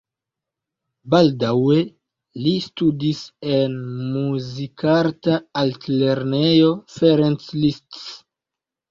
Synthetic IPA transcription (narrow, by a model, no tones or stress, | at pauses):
baldawe̞ | listudise̞nmuzikaɾtaaltle̞ɾnejo̞feɾenslists